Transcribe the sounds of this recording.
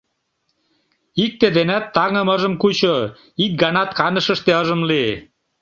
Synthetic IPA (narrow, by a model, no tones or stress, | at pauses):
ik̚t̪ed̪enæt̪ːɑŋə̆məʒə̆mkut͡ɕo | ik̚ɡɑnɑt̪kɑnə̆ʃə̆ʃt̪eəʒə̆mli